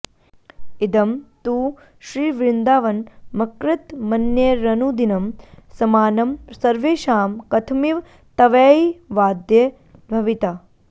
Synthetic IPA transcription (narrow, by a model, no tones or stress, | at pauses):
id̪ɐmt̪uː | ʃɾiːʋɾɪnd̪aːʋɐnmɐkɾɪt̪mɐnjeːɾɐnud̪inɐmsɐmaːnɐmsɐɾʋeːʃaːmkɐt̪ʰmiʋ | t̪ɐʋeːiʋaːd̪je | d̪ʱɐʋit̪a